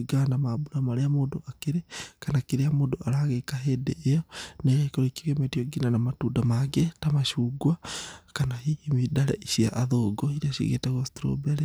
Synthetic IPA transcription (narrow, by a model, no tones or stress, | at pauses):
ɡanamabuɾamaɾeamoːndoakeɾekanakiɾeamoːndoʔaɾaɣekaɦedeʔejɔnaijaikoɾekiɾiametioɡinanamatuːdamaɡetamaʃuɡwakanahiemidaɾɛ̰ʔiʃia̰ʔaðoɡɔiɾiaʃḭɣḛtaɣosi̥tɾo̰bɛɾɛ